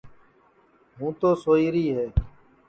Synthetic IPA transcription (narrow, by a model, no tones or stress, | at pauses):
ɦũːt̪oːsoːiːɾiːɦeː